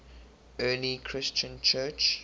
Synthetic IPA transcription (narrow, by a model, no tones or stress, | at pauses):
ɜːlikʰɹɪst͡ʃə̃nt͡ʃʰɜt͡ʃ